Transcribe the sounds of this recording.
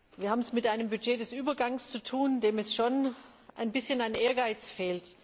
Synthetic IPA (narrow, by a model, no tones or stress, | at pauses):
viːɐhaːbmɛsmɪtʔaɪnəmbyd͡ʒeːdɛsʔyːbɐɡaŋst͡sutʰuːndeːmɛsʃoːn | ʔaɪnbɪsçənaɪnʔeːɐɡaɪt͡sfeːlt